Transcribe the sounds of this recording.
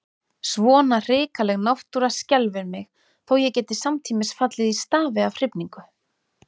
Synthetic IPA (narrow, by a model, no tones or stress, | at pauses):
svɔːnar̥ɪːkalɛɣnawht̪uɾascɛlvɪɾmɪx | θowjɛcɛːt̪ɪsamt̪ʰiːmɪsfat̪lɪðist̪aːvɪavr̥ɪpniŋkʏ